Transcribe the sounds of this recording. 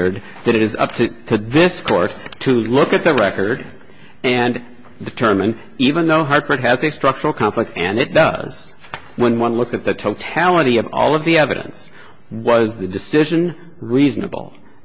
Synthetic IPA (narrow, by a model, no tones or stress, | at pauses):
d̪̚ | ðɨɾɨɾɨzʌ̰p̚tʰɨtʰɨðɪskʰɔɹtʰɨlʊkɨt̪̚ðɨɹɛkə˞ɾ | ɨ̃n | dɨtʰɜ˞mɨ̃n | ivɨ̃nðoʊɦɑɹdfə˞d̚ɨzɨstɹ̥ʌk̚t͡ʃə˞l̩ˠkʰɑ̃ɱflək̚tɨ̃nɨt̚d̥ʌ̰z̥ | wə̃nwʌ̃nlʊksɨt̪̚ðɨtʰoʊtʰælˠəɾiʌvɔ̰lˠʌvðiɛvɨɾɨ̰̃ns | wʌzðɨdɨsɪʒɨ̃n | ɹiznə̰bl̩ˠ